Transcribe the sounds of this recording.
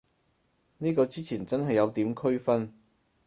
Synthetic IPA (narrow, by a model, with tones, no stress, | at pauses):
niː˥kɔː˧t͡siː˥t͡sʰiː˨˩nt͡sɐ˥nɦɐ˨jːɐ˨˧wt̪iː˨˥mkʰɵ˥ɥfɐ˥n